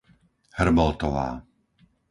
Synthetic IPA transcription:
hrmɔlt̪ɔʋa̰ː

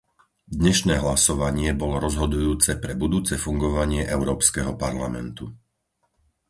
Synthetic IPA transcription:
d̪ɲɛʃnɛːɦlasɔʋaɲɪɛbɔlɔɾɔzɦɔd̪ujuːt͡sɛpɾɛbud̪uːt͡sɛfuŋɡɔʋaɲɪɛʔɛʊɾɔːpskɛɦɔpaɾlamɛ̰nt̪u

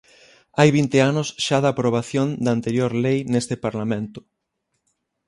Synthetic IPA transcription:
ajβint̪eanʊsʃaðɐaːpɾoβ̞aθjond̪ant̪eɾjoɾlejnest̪ɪpaɾlamẽnt̪ʊ̥

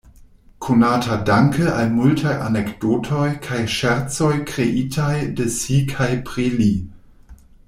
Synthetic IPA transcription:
kʰonatʰadaŋkʰəalmultʰajʔa̰nekd̥otʰojkʰajʃɛɾt͡sojkɾeʔitʰajdəsikʰajpɾili

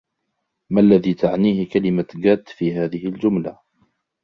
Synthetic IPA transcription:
malːaðiːt̪ʰaʕniːhɪkalɪmaɡaːt̪fiːɦaːðɪhɪld͡ʒʊmla

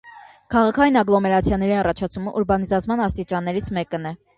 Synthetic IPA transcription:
kʰɑʁɑkʰɑjinɑɡlˠɔmɛɾɑt͡sʰjɑnɛɾiɑrɑt͡ʃʰɑt͡sʰuməʔuɾbɑnizɑt͡sʰmɑnɑst̪it͡ʃɑnːɛɾit͡sʰmɛkənɛ

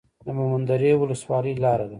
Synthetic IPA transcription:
d̪əmʊmand̪aɾewʊləswɑləjlɑɾad̪a

